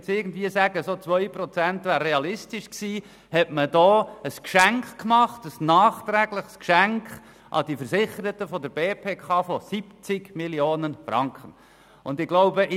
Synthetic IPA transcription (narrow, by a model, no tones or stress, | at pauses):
tt͡sɪrɡən̩d̪viːəsæɡ̥əsot͡sʋœʏprɔt͡sæntʋæːrreɑlɪstɪʃksiː | hɛtməd̥ɔːəskʃæŋkkmɑχtəsnɑːχt̪ɾæːɡləχskʃæŋkχ | ʔɑ̰d̥ifəɾsɪχəɾət̪əfɔdəɾbeːpʰeːkʰɑːfɔsipt͡sɪɡmiljoːnənfrɑŋkʰχən | ʊndɪɡloʊbəʔ